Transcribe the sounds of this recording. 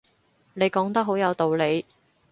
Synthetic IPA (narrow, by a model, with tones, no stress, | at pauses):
ne˨˧jkɔː˨˥ŋt̪ɐ˥k̚ɦo˨˥wjɐ˨˧wt̪o˨wle˨˧j